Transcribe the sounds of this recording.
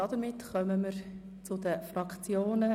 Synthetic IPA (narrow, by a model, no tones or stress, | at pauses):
ɑdəɾmɪtχœməməɾ | t͡sʊdəfrɑkt͡sjoːnə